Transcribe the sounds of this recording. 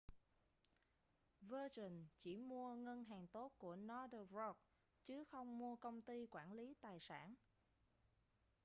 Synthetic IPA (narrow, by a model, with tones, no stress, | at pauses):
vəː˧t͡ɕi˨˩nt͡ɕi˧˩mu˧əŋə˧nɦaː˨˩ŋt̪o˦˥t̚ku˧˩ənɔ˧dzɔ˧k̚ | t͡ɕɨ˨˦xə˧wŋ͡mmu˧əkə˧wŋ͡mt̪i˧kwaː˧˩nli˨˦t̪aː˨˩jsa̰ː˧˩n